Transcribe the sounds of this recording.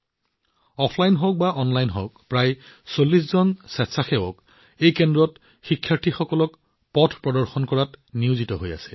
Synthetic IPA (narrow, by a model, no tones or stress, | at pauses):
ɔpʰlajnɦok̚baʔɔnlajnɦo̰kpɹajsolːiszɔnsɛtsaxɛwɔk | ejkɛndɹɔt | xikʰːjaɹtʰixɔkɔlɔk | pɔtʰpɹɔdɔɹxɔnkɔɹatniʊzitɔɦoja̰sɛ̥